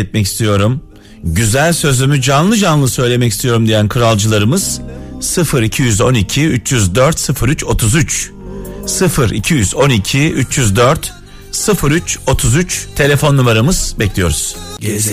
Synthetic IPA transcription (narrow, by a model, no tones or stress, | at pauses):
ɛt̪̚mɛci̥st̪ʰijo̞ɾum | ɟyzælʲsø̞zymyd͡ʒanlˠɯd͡ʒanlˠɯsø̞jlʲe̞mɛci̥st̪ʰijo̞ɾumd̪ijænkʰɯɾalˠd͡ʒɯlˠaɾɯmɯz̥sɯfɯɾicʰijyzo̞nicʰiyt͡ʃjyzd̪øɾt̪sɯfɯɾyt͡ʃo̞t̪ʰuzyt͡ʃ | sɯfɯɾḭcʰijyzo̞nicʰiyt͡ʃjyzd̪øɾt̪ | sɯfɯɾyt͡ʃo̞t̪ʰuzyt͡ʃt̪ʰe̞lʲe̞fo̞nːumeɾamɯz̥bɛclʲijo̞ɾuz̥